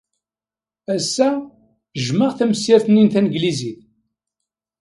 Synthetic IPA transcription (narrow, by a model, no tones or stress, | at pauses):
æsːæ | ʒməʁθæməsjæɾθəninθænəɡliziθ